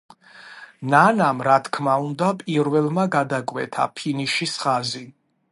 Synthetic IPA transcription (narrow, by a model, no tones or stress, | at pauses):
nanamɾat̪ʰkʰmaund̪apʼiɾvɛlˠmaɡad̪akʼwɛ̰t̪ʰa̰pʰiniʃisχazi